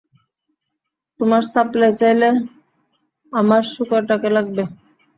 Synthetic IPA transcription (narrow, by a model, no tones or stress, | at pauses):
t̪omaɾsaplajt͡ɕajle | amaɾʃukoɾʈakelaɡ̚be